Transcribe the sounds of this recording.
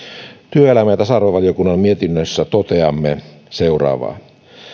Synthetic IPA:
t̪yøelæmæjæt̪æsɑrʋeʋɑlijokunːɑmmiet̪inːøsːæt̪ot̪eɑmːeseurɑ̰ːʋɑ̰ː

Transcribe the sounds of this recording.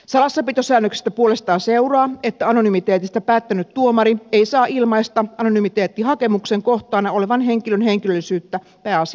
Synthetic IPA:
sɑlɑsːɑpit̪osæːnːøksi̥st̪æpuolest̪ɑːseurɑːet̪ːæɑnonymit̪eːt̪ist̪æpæːt̪ːænyt̪t̪uomɑɾieisɑːʔilmɑist̪ɑɑnonymit̪eːt̪ːihɑkemukseŋkoht̪ˑɑːnɑoleʋɑnheŋkilønheŋkilølːˑisyːt̪ːæ | pæːɑsi

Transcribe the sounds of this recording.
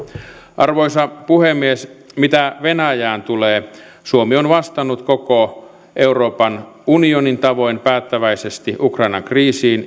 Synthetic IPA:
ʔɑrʋo̞jsɑpuhemːiesmit̪æʋe̞næjæːnt̪uleː | suomionʋɑst̪ɑnːut̪ko̞ko | ʔe̞uro̞ːpɑn | unionint̪ɑʋo̞jnpæːt̪ːæʋæjsest̪iʔukrɑinɑ̰ŋkriːsiːn

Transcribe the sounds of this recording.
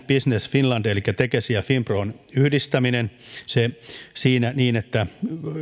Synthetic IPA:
pisnesfinlɑnt̪elikːæt̪ekesiæfimproːnyhdist̪æminensesiːnæniːnet̪ːæ

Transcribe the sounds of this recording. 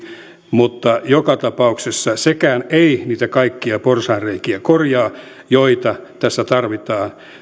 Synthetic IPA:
mut̪ːɑjokɑt̪ɑpɑuksesːɑsekæːneiniːt̪ækɑikːiɑporsɑːnreikiækorjɑː | joit̪ɑt̪æsːæt̪ɑrʋit̪ɑːn

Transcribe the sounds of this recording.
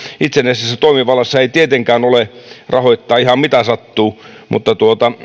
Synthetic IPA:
it̪senesisːæt̪oimiʋɑlˑɑsːɑeit̪iet̪eŋkæːnolerʔɑhoit̪ːɑːihɑmmit̪æsɑt̪ːuː | mʔṵt̪ːɑt̪uot̪ɑ

